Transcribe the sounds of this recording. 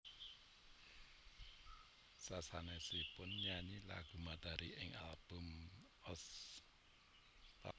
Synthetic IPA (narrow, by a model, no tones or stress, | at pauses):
sasanesipʊnɲaɲila̰ɡ̥ṳmad̪̥aɾiʔɪŋa̰lb̥ʊm | ɔs | a̰